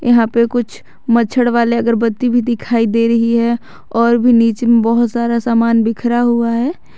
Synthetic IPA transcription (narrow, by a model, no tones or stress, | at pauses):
jɐ̰ɦãpekʊt͡ʃʰ | mət͡ʃʰəɽʋaːleɐɡəɾbɐt̪ːibʱid̪ɪkʰaːid̪eːɾɐɦiɦɛ | ɔːɾbʱiniːt͡ʃemẽbɔɦʊt̪saːɾasaːmaːnbɪkʰɾaɦuaɦɛː